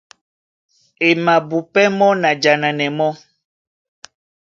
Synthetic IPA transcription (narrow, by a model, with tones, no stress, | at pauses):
e˨mã˨bu˨pɛ˦mɔ̃˦nã˨d͡ʒa˨nã˨nɛ̃˨mɔ̃˦